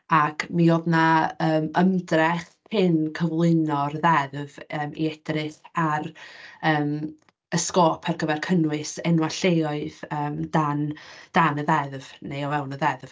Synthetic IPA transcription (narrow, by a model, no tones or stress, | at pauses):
akʰmioðnaəːməmdrɛχ | pʰɪnkʰəvlˠɨnɔrðɛðvəːmḭɛd̥rɪθarəːm | əskɔːpʰarɡəvɛrkʰənwɪsɛnwaɬejɔɨðəːmdand̥anəðɛðvnejɔvɛwˠnəðɛðv